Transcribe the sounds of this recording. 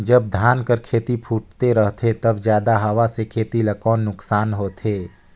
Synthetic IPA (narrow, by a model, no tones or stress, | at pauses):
d͡ʒɐb̚d̪ʱjaːnkəɾkʰeːt̪ipʰuːʈt̪eɾəɦt̪ʰet̪ɐbzjaːd̪aɦɐʋasekʰeːt̪ilɐkɔːnːʊksaːnɦoːt̪ʰeː